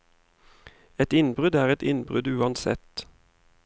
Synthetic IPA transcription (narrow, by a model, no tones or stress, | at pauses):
ɛt̪ɪnbʁʉd̪æːʁɛt̪ɪnbʁʉd̪ʉːɑnsɛ̰t̪